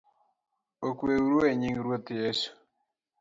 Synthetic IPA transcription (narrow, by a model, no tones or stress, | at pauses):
okweuɾoeɲiŋɾwot̪jesu̥